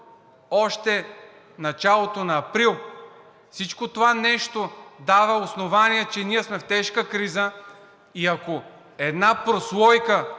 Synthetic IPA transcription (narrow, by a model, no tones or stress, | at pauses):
ɔʃt̪ɛ | nɐt͡ʃalˠot̪onɐːpɾilˠ | fsit͡ʃkot̪ovanɛʃt̪od̪avɐosnovaniɛt͡ʃɛniɛsmɛft̪ɛʃkəkɾizə | iɐko | ɛd̪napɾoslˠɔjkə